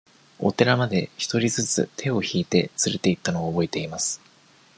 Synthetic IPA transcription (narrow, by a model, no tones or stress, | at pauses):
o̞̰t̪e̞ɾamad̪e̞çi̥t̪o̞ɾʲizɨt͡sɨ̰t̪ʰe̞o̞çiːt̪e̞t͡sɨɾe̞t̪e̞it̪ːano̞aːbo̞et̪e̞imasɨ̥